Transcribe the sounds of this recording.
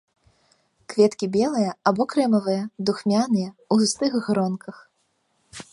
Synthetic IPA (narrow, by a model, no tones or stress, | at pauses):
kvʲɛt̪kʲibʲɛlˠɨjɐabɔkɾɛmɐvɨjɐd̪uxmʲanɨjɐuzust̪ɨɣːɾɔnkʰɐx